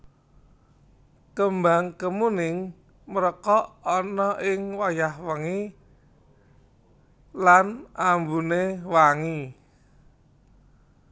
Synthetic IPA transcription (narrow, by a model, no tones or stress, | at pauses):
kəmbaŋkəmunɪŋ | məɾəkɔʔɔnɔʔɪŋwajahwəŋi | lanambunewaŋi